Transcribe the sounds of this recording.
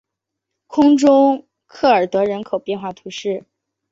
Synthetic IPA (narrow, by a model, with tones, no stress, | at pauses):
kʰʊ˥ŋʈ͡ʂʊ˥ŋ | kʰɤ˥˩ə˞˨˩t̪ɤ˧˥ɻə˧˥nkʰo˨˩ʊpjɛ˥˧nxwa˥˩t̪ʰu˧˥ʂɻ̩˥˩